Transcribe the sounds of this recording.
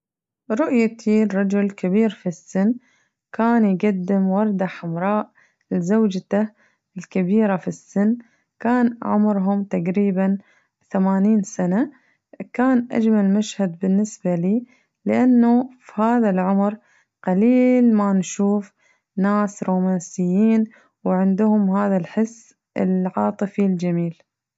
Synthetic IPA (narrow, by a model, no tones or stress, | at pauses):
ɾˤʊʔjak̚t̪ʰiːɾɾˤɑd͡ʒʊlkɪbiːɾfisːɪnː | kaːnjɡad̪ːɪmwɑɾˤd̪aħʊmɾˤɑːʔ | lzawd͡ʒt̪a | ɪlkɪbiːɾafisːɪnː | kaːnʕʊ̰mɾɦʊmt̪aqɾiːban | θamaːniːnsana | kaːnʔa̰d͡ʒmalmaʃhad̪̚bɪnːɪsbaliː | lɪʔanːufihaːðalʕʊmɾ | qaliːlmanʃuːf | naːsɾoːmaːnsɪjːiːn | wʕɪnd̪ʊhʊmɦaːðalħɪsː | ɪlʕɑːt̪ˤɨfild͡ʒamiːl